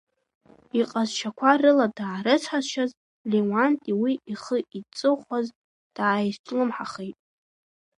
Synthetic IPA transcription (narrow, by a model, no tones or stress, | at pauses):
iqʼazʃʰakʷʰarɨladaːɾɨt͡sʷʰħazʃaz | lewantʼiwiʔiχəit͡sʼɨχʷaz | d̥aːjztʰʼlɨmħaχejtʼ